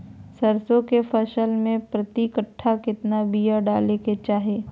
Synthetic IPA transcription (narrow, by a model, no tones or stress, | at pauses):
sɐɾsõkefʰɐʃəlmẽpɾɐt̪ikəʈʰːakɪt̪nabijaɖaːleket͡ʃaːɦeː